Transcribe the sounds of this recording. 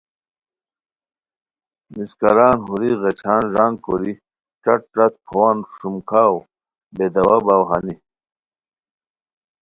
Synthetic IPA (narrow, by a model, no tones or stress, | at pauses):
miskɐɾaːnɦuɾiɣet͡ɕʰaːnʐaːŋɡkoɾi | ʈ͡ʂɐʈ̚ɾɐt̪̚pʰowanʂumkʰaːw | bed̪ɐwabaːwɦa̰ni